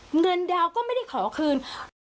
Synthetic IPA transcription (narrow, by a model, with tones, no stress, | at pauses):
ŋɤ˧ndaː˧wkɔː˥˩ma˥˩jda˥˩jkʰɔː˩˦kʰɯː˧n